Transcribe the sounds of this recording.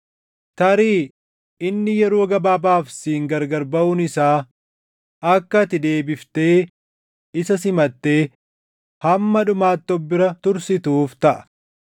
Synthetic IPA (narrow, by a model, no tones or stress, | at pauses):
t̪ɐɾiː | ɪnːɪjɛɾoːɡɐbaːbaːfsiːŋɡɐɾɡɐɾbɐʔʊnɪsaː | ɐkːɐt̪ɪd̪e̞ːbɪft̪e̞ː | ɪsɐsɪmɐt̪ːe̞ː | hɐmːɐᶑʊmaːt̪ːɔbːɪɾɐt̪ʊɾsɪt̪uːft̪ɐʔɐ̥